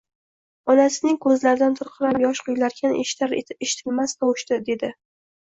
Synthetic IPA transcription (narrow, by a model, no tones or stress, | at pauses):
ɒnasɪnɪŋkʰɵzlaɾd̪ant̪ʰʊɾqʰɨɾajɒʃqʰʊjlaɾkʲʰaneʃɾeʃɪ̥t̪ʰɪlmast̪ʰɒwɪʃt̪ɪd̪e̞d̪ɪ